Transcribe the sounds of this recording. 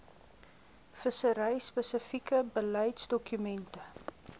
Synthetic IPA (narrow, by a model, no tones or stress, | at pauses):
fəsəɾəjspəsəfikəbəlɐjtsdɔkymɛntə